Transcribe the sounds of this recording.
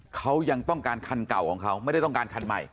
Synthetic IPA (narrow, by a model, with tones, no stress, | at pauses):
kʰa˦˥wja˧ŋt̪ɔ˥˩ŋkaː˧nkʰa˧nka̰˨˩wkʰɔː˩˦ŋkʰa˦˥wma˥˩jda˥˩t̪kaː˧nkʰa˧nma̰˨˩j